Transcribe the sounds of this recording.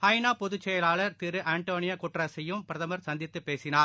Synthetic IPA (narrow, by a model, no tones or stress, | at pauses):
ɐɪnaːpɔðɯt͡ʃːɛjɐlaːlɐɾt̪ɪɾɯʔaːɳʈoːnɪjɐkʊʈrasɐjɯmpɪɾɐðɐmɐɾsɐnd̪ɪt̪ːɯpːeːsɪnaːɾ